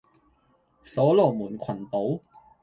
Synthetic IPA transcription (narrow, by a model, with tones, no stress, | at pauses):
so˨˥˦loː˨˩mu˨˩˦nkʰwa˨˩nt̪o˨˦w